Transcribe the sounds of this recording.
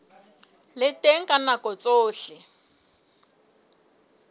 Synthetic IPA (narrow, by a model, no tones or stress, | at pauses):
lɪtʼeŋ̩kʼanakɔt͡sʼoːɬɪ